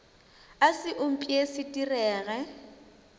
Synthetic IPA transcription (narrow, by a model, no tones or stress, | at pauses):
asɪʔʊm̩pʼiesɪtʼirɛːɣɛ